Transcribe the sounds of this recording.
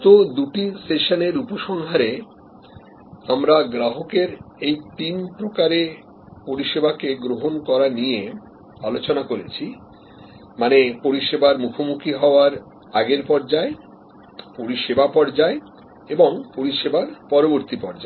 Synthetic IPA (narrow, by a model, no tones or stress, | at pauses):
t̪od̪uʈisʈeʃoneɾupoʃɔŋɦaɾe | amɾaɡɾaɦokeɾejt̪inpɾokaɾe | poɾiʃebakeɡɾoɦonkɔɾanije | alot͡ɕonakoɾet͡ɕʰi | manepoɾiʃebaɾmukʰomukʰiɦɔoaɾ | aɡeɾpɔɾd͡ʑae | poɾiʃebapɔɾd͡ʑae | eboŋpoɾiʃebaɾpɔɾoboɾt̪ipɔɾd͡ʑae